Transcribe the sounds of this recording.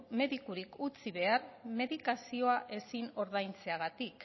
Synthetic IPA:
me̞ðikuɾikut͡siβe̞aɾme̞ðikasio̞aʔe̞sino̞ɾðajnt͡se̞aɣ̞at̪ik

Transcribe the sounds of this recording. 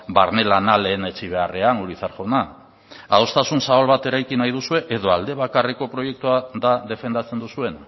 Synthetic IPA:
baɾne̞lanale̞ːne̞t͡ʃiβ̞e̞are̞aŋɡuɾit͡saɾʝo̞na | aost̪asunsaβalβat̪e̞ɾajkinajð̞usue̞ʔeðo̞ald̪e̞β̞akariko̞pɾo̞je̞k̚t̪uaðaðe̞fe̞nd̪at͡se̞nd̪usue̞n

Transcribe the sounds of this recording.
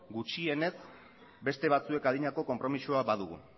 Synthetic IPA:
ɡut͡ʃie̞ne̞s | be̞st̪e̞β̞at͡sue̞kaðiɲako̞ko̞mpɾo̞misuabað̞uɣṵ

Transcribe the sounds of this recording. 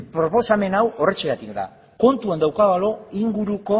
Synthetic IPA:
pɾo̞po̞same̞nawo̞re̞t͡ʃeɣat̪ikd̪a̰ | ko̞nt̪uand̪awkaɣalo̞iŋɡuɾuko̞

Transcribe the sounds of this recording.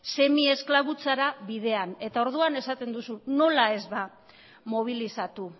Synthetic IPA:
se̞mie̞sklaβut͡saɾaβið̞e̞ane̞t̪ao̞ɾð̞uane̞sat̪e̞nd̪usuno̞lae̞zβa | mo̞β̞ilisat̪u

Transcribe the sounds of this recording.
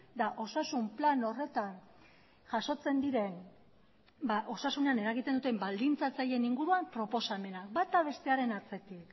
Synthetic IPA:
d̪aʔo̞sasumplano̞re̞t̪an | ʝaso̞t͡se̞nd̪iɾe̞n | baʔo̞sasune̞ane̞ɾaɣit̪e̞nd̪ut̪e̞mbald̪int͡sat͡saje̞niŋɡuɾuampɾo̞po̞same̞nakbat̪aβe̞st̪e̞aɾe̞naɾt͡se̞t̪ik

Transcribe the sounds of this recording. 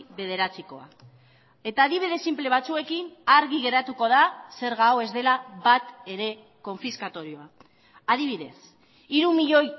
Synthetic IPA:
βe̞ð̞e̞ɾat͡siko̞̰a̰ | e̞t̪aːðiβ̞iðe̞simple̞β̞at͡sue̞kinaɾɣiɣe̞ɾat̪uko̞ðase̞ɾɣawe̞zd̪e̞laβat̪e̞ɾe̞ | ko̞ɱfiskat̪o̞ɾio̞a | aðiβ̞iðe̞s | iɾumiʎo̞j

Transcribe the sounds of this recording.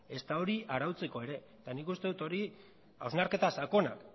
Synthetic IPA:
e̞st̪ao̞ɾiʔaɾawt͡se̞ko̞e̞ɾe̞ | t̪anikust̪e̞ðut̪o̞ɾi | awznaɾke̞t̪asako̞nak

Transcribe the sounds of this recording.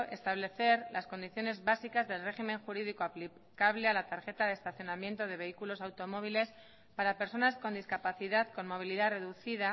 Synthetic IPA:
est̪aβle̞θe̞ɾlasko̞nd̪iθjo̞ne̞zβasikazðe̞lre̞ximẽ̞ŋxuɾiðiko̞apli | kaβle̞alat̪aɾxe̞t̪aðest̪aθjonamje̞nt̪o̞ð̞e̞βe̞ikulo̞sawt̪o̞mo̞β̞ile̞s | paɾape̞ɾso̞nasko̞nd̪iskapaθiðaðko̞nmo̞β̞iliðare̞ðuθiða

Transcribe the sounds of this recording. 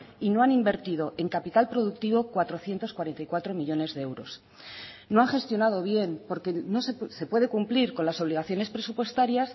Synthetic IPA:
ino̞animbe̞ɾt̪ið̞o̞ʔe̞ŋkapit̪alpɾo̞ðuk̚t̪iβo̞kwat̪ɾo̞θje̞nt̪o̞skwaɾe̞nt̪ajkwat̪ɾo̞miʎo̞ne̞zðeewɾo̞̰s | no̞aŋχe̞st̪jo̞nað̞o̞β̞je̞npo̞ɾke̞no̞sese̞pwe̞ð̞e̞kumpliɾko̞nlaso̞β̞liɣaθjo̞ne̞spɾe̞supwe̞st̪aɾjas

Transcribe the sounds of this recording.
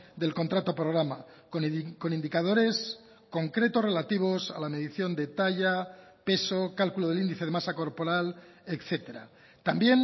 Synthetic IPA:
d̪e̞lko̞nt̪ɾat̪o̞pɾo̞ɣɾama | konko̞nind̪ikað̞o̞ɾe̞s | ko̞ŋkɾe̞t̪o̞sre̞lat̪iβ̞o̞sa̰lame̞ðiθjo̞nd̪e̞t̪aʎa | pe̞so̞kalkuloð̞elind̪iθeemasako̞ɾpo̞ɾale̞kθe̞t̪e̞ɾa̰ | t̪ambje̞n

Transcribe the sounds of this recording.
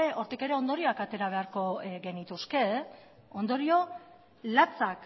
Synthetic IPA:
eʔo̞ɾt̪ike̞ɾe̞o̞nd̪o̞ɾio̞akat̪e̞ɾaβ̞e̞aɾko̞ɡe̞nit̪uske̞ | o̞nd̪o̞ɾio̞ | lat͡sak

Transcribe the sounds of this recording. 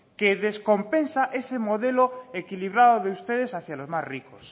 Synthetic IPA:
keðesko̞mpẽnsaʔesemoðeloekiliβ̞ɾaðoðeust̪eð̞esaθjalozmazrikos

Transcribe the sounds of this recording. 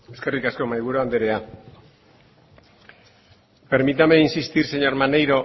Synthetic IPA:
eske̞rikasko̞majβ̞uɾoand̪eɾe̞a | pe̞ɾmit̪ame̞insist̪iɾse̞ɲo̞ɾmanejɾo̞

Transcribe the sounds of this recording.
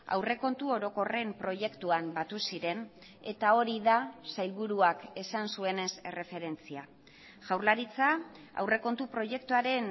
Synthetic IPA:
a̰wre̞ko̞nt̪uo̞ɾo̞ko̞re̞mpɾo̞ʝe̞kt̪uambat̪usiɾe̞n | e̞t̪ao̞ɾiðasajlβuɾuake̞sansue̞ne̞se̞re̞fe̞ɾe̞nt͡sia | ʝawɾlaɾit͡sa | a̰wre̞ko̞nt̪upɾo̞ʝe̞kt̪uaɾe̞n

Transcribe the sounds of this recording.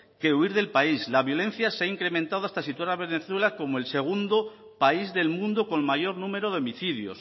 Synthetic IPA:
ke̞uiɾðe̞lpaislaβjo̞lẽ̞n̟θjaseaiŋkɾe̞mẽnt̪að̞oast̪asit̪waɾaβe̞ne̞θwe̞lako̞moe̞lse̞ɣ̞und̪o | paizðe̞lmũnd̪o̞ko̞ŋmaʝo̞ɾnũme̞ɾo̞ðeo̞miθiðjo̞̰s

